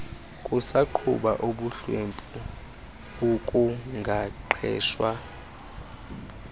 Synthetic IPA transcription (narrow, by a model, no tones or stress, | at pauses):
kʼusaǃʰṵɓaʔoɓuɬwempʼu | ukʼuŋɡʱaǃʰɛ̰ːʃwa